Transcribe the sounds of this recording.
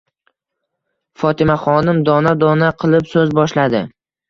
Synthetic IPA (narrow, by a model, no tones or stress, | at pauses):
fɒt̪ʰɪmaχɒnɪmd̪ɒnad̪ɒnaqʰɨlˠɪpsɵzbɒʃlad̪ɪ